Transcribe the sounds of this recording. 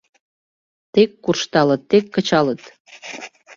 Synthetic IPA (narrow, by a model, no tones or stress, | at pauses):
t̪ekːurʃt̪ɑlət̪ːekːət͡ɕɑlət̪